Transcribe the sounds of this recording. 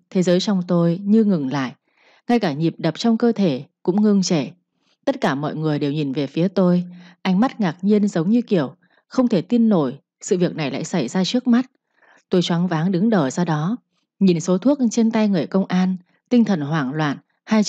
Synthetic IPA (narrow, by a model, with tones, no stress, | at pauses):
t̪ʰe˨˦zəː˨˦jt͡ɕɔ˧wŋ͡mt̪o˧jɲɨ˧ŋɨ˨˩ŋla̰ː˧˨j | ŋa˧jkaː˧˩ɲi˨˩p̚ɗə˨˩p̚t͡ɕɔ˧wŋ͡mkəː˧t̪ʰe˧˩kʊ̰˧˥ŋ͡mŋɨ˧əŋt͡ɕe˧˩ | t̪ə˦˥t̚kaː˧˩mɔ̰˧˨jŋɨ˨˩əjɗe˨˩wɲi˨˩nve˨˩fi˨˦ət̪o˧jʔa˧jŋma˦˥t̚ŋaː˨˩k̚ɲi˧ənzə˨˦wŋ͡mɲɨ˧ki˧˩əw | xə˧wŋ͡mt̪ʰe˧˩t̪i˧ənːo˧˩j | sɨ̰˧˨vi˨˩ək̚na˨˩jla̰ː˧˨jsa˧˩jzaː˧t͡ɕɨ˦˥ək̚ma˦˥t̚ | t̪o˧jt͡ɕwaː˨˦nŋvaː˨˦ŋɗɨ˨˦ŋɗəː˧˩zɔ˧ɗɔ˨˦ | ɲi˨˩nso˨˦t̪ʰu˦˥ək̚t͡ɕe˧nt̪a˧jŋɨ˨˩əjkə˧wŋ͡mʔaː˧n | t̪ï˧ŋ̟t̪ʰə˨˩nɦwaː˧˩ŋlwa̰ː˧˨n | haː˧j